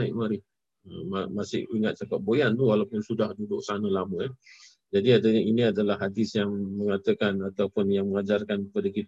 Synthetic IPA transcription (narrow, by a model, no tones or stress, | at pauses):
ajʔmaɾɪh | əmamasɪ̰hiŋat̪̚t͡ʃakap̚bojant̪uwalawpʊnsudahdudʊʔ̚sanəlamə̃ja | d͡ʒadiadainiadalahːadɪsjaŋməŋat̪əkanat̪awpʊnjaŋməŋad͡ʒarkankəpadəkit̪ə